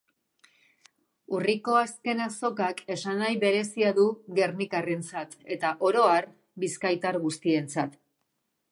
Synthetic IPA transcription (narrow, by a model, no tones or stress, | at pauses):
uriko̞aske̞naso̞kake̞sanajβe̞ɾe̞siaðuɣe̞ɾnikare̞nt͡sat̪e̞t̪aʔo̞ɾo̞aɾ | biskajt̪aɾɣust̪ie̞nt͡sat̪